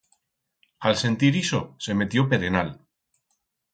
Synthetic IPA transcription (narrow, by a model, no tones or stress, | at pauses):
alse̞nt̪iɾisosemet̪jopeɾenal